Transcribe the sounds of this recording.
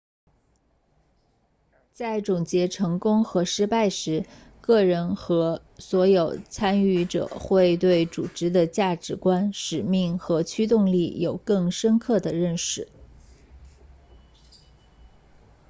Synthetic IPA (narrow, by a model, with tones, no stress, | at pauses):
t͡sa˥˩ɪʈ͡ʂʊ˨˩ŋt͡ɕjɛ˧˥ʈ͡ʂʰɤ˧˥ŋkʊ˥ŋxɤ˧˥ʂɻ̩˥pa˥˩ɪʂɻ̩˧˥ | kɤ˥˩ɻə˧˥nxɤ˧˥ | swɔ˧˥jo˨˩ʊt͡sʰa˥ny˥˩ʈ͡ʂɤ̰˨˩˦xwe˥˧ɪt̪we˥˩ɪt͡su˨˩ʈ͡ʂɻ̩˧˥d̪ə˨t͡ɕja˥˩ʈ͡ʂɻ̩˧˥kwa˥nʂɻ̩˨˩mi˥˩ŋxɤ˧˥t͡ɕʰy˥t̪̬ʊ˥˧ŋli˥˩jo˨˩ʊkɤ˥˩ŋʂə˥nkʰɤ˥˩d̪ə˩ɻə˥˩nʂɻ̩˥˩˦